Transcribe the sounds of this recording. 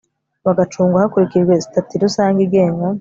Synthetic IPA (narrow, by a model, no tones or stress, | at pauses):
βaɡat͡ʃuːŋɡahakuɾikid͡ʒɡwe̞zi̥tatiɾusaːŋɡiɡe̞ːŋɡa